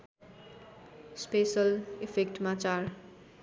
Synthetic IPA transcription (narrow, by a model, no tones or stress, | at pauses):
spesʌlipʰekʈmat͡sar